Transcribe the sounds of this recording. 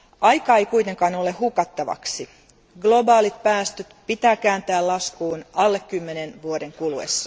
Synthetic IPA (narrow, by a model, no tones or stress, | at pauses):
ʔɑjkɑːejkuit̪e̞ŋkɑːnolehukɑt̪ːɑʋɑ̰ksi | ɡlo̞bɑːlit̪̚pæːst̪øt̪pit̪æːkæːnt̪æːlɑskuːnɑlːekːymːenenʋuode̞ŋkuluḛsːɑ̥